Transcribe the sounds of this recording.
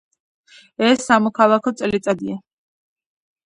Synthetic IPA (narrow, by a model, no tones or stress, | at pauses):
ɛsːamɔkʰalˠakʰɔt̪sʼlit̪sʼad̪ia